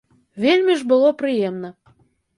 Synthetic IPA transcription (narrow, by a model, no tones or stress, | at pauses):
velʲmʲeʒbə̆loprɨjemnə